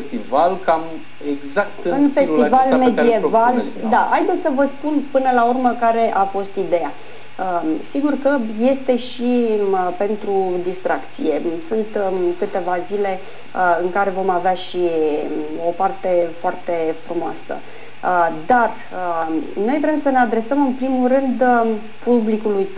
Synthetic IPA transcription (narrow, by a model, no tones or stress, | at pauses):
est̪ivalkam | eɡzak̚t̪ɨunfe̞st̪ivalmed̪ie̞val | d̪ahajd̪et̪səvəspunpɨnəlaurməkaɾe̞ʔafo̞st̪id̪e̞ja | əsiɡurkəje̞st̪e̞ʃipe̞nt̪ɾud̪ist̪ɾakt̪sije̞sɨnt̪kɨt̪e̞vazile̞ | ɨŋkaɾe̞vo̞maveaʃi | o̞part̪e̞foart̪e̞fɾumoasə̰ | d̪ar | əno̞jvɾe̞msəne̞ad̪ɾe̞səmɨnpɾimulɾɨnd̪ | publikuluj